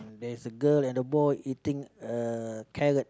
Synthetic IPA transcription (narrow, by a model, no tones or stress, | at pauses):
dɛisəɡəlɛ̃ndəbɔjʔitĩŋəkʰɛɹət̚